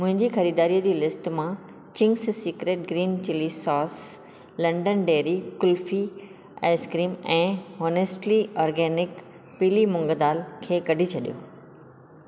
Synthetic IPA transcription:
mʊ̃ɦɪ̃ɲd͡ʑiːxɐɾiːd̪aːɾiːəd͡ʑiːlɪsʈmã | t͡ɕɪ̃ŋɡssiːkɾeːʈ̚ɡɾiːnt͡ɕɪlisɔːs | lɐ̃ɳɖənɖeːɾikʊlfi | ɛ̰ːskɾiːmɛ̃ːoːnesʈliɔːɾɡɛːnɪk | pilimʊ̃ŋɡəd̪aːlkʰeːkɐɖʱit͡ɕʰɐɗijo̰ː

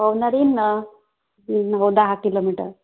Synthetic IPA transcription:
əwnaɾin | nɦowd̪aɦakilomiʈə̰ɾ

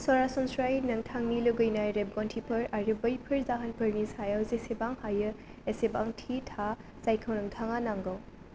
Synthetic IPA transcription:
sɔɾasɔnsɾajnɐŋtʰaŋniluɡɯjnajɾeb̚ɡɔntʰipʰɐɾaɾɯbɐjpʰɯɾzaɦɐnpʰɐɾnisajawzesebaŋhajɯ | esebaŋtʰitʰa | sajkʰɐwnɐŋtʰaŋanaŋɡɔw

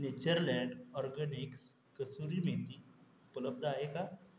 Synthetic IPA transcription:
net͡ɕəɾlɛ̃ɳɖɔɾɡəniks | kəsuɾimet̪i | upələb̚d̪aɦeka

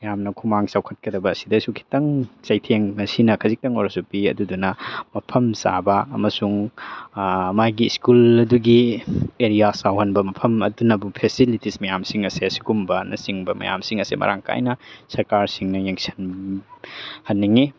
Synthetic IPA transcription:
mɐjamnɐkʰumaŋsawkʰɐt̚kɐdɐbɐːsi̥dɐsukʰi̥tɐŋt͡ʃɐjtʰeŋɐsinɐkʰɐzik̚tɐŋo̰ɾɐsupiɐ̰dudunɐmɐpʰɐmsa̰bɐːmɐsuŋ | majɡiːskulɐduɡieɾijasawhɐnbɐmɐpʰɐmɐdunɐbupʰesilitismɐjamsiŋɐseɐsi̥kumbɐnɐ̰siŋbɐmɐ̰ja̰msiŋɐsemɐ̰ɾa̰ŋka̰jnɐsɐɾkaɾsiŋnɐjeŋsʰɐ̥n | hɐnːiŋi

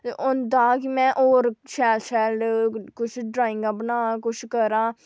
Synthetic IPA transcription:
ʊnd̪aːkimɛ̃ːʔoːɾʃɛːlsɛːlkʊt͡ʃʰɖɾaːɪ̃ŋɡãːbənaːkʊt͡ʃʰkəɾãː

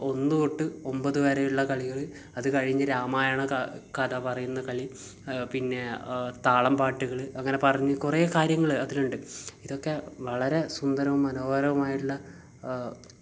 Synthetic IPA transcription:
o̞nːɨoʈːɨo̞mbɐðɨʋɐɾejiɭːɐkɐɭiɣɐɭɨ | ɐðɨkɐɻiɲːɐɾaːmaːjaːɳɨkɐd̪ɐpɐrɐjunːɐkɐɭi | pinːe̞t̪aːɭɐmpaːʈːuɣɐɭɨɐŋːɐne̞pɐrɐɲːɨkureːkaːɾjɐŋːɐɭɨɐðiluɳɖɨiðo̞kːe̞ʋɐɭɐɾe̞sund̪ɐɾɐʋumːɐnoːɣɐɾɐʋɐmaːjiʈːuɭːɐ

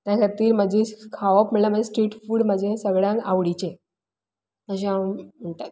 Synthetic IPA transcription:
t̪jakʰat̪iːɾməd͡ʑʱikʰaʋapm̤əɭlam̤əd͡ʑesʈɾiːʈfuːɽməd͡ʑʱẽsəɡɭjãŋkaʋɽit͡ɕe | əɕ̬ẽãm̤əɳʈa

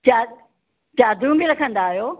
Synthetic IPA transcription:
t͡ɕa | t͡ɕaːd̪ũːmɡiɾɐkʰə̃nd̪aːɦjoː

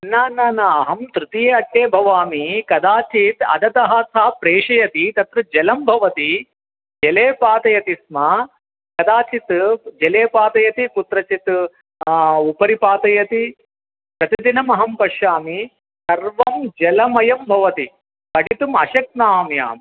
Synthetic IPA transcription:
naːnaːnɐɐɦɐmt̪ɾut̪ijeɐʈːeːbʱɐʋaːmikɐd̪aːt͡ʃit̪ɐ̰d̪ɐt̪ɐɦɐsʰaːpɾeːʂɐjɐt̪it̪ɐt̪ɾɐd͡ʒɛlɐmbʱɐʋɐt̪i | d͡ʒɛleːpaːt̪ɐjɐt̪ismɐ | kɐd̪aːt͡ʃit̪d͡ʒɛleːpaːt̪ɐjɐt̪ikut̪ɾɐt͡ʃit̪ | upɐɾipaːt̪ɐjɐt̪i | pɾɐt̪id̪inɐmɐɦɐmpɐʃaːmi | sɐɾʋɐmd͡ʒɛlɐmɐjɐmbʱɐʋɐt̪i | kɐʈit̪umɐʃɐk̚naːmja̰ːmi

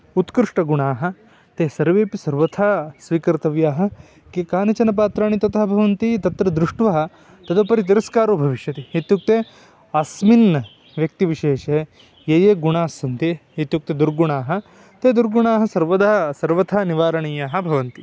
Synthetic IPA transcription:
ut̪kɾɨʂʈɐɡuɳaːɦɐ̆ | t̪eːsɐɾʋeːpisɐɾʋɐt̪ʰaːsʋiːkɐɾt̪ɐʋjaːɦɐ̆ | kekaːnɐt͡ʃɐnɐp̬aːt̪ɾaːɳit̪ɐt̪ɐɦɐbʱɐʋɐnt̪it̪ɐt̪ɾɐd̪ɾuʂʈʋɐɦɐ̆ | t̪ɐd̪ɐpɐɾit̪̬iɾɐskaːɾoːbʱɐʋiʃjɐt̪iit̪juk̚t̪eː | ɐsminɐ | ʋjɐk̚t̪iʋiʃeːʂe | jeːjeːɡuɳaːsɐnt̪iːt̪juk̚t̪ed̪uɾɡuɳaːɦɐ̆ | t̪eːd̪uɾɡuɳaːɦɐ̆sɐɾʋɐd̪aɦɐsɐɾʋɐt̪ʰaːniʋaːɾɐɳijaːɦɐ̆bʱɐʋɐnt̪i

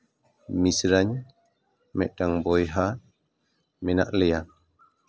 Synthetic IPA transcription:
misɾaɲ | mɛ̰ʔdaŋbɔjɦa | mɛna̰ʔlɛja

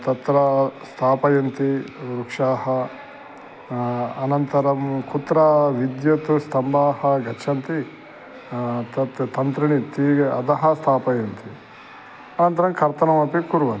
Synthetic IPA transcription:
t̪ɐt̪ɾɐst̪ʰaːpɐjɐnt̪iɾukʂaːɦɐ | ɐnɐnt̪ɐɾɐmkut̪ːɾɐʋid̪jɐt̪ust̪ʰɐmbaːhɐɡɐt͡ʃʰɐnt̪i | t̪ɐt̪t̪ɐnt̪ɾiɳit̪iɐ̰d̪ɐɦɐst̪ʰaːpɐjɐnt̪i | ɐnɐnt̪ɐɾɐmkɐɾt̪ɐnɐmɐpikuɾʋɐn

